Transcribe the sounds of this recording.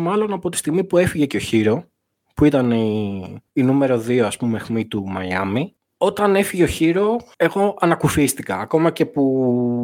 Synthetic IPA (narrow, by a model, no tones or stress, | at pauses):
mɐlo̞nɐpo̞t̪ist̪iɣmipue̞fiʝe̞ceo̞çiɾo̞ | puit̪ɐne | inume̞ɾo̞ðioɐspumexmit̪umɐ̰jɐ̰mi | o̞t̪ɐne̞fiʝe̞oçiɾo̞e̞ɣo̞ɐnɐkufist̪ikɐːko̞mɐce̞pu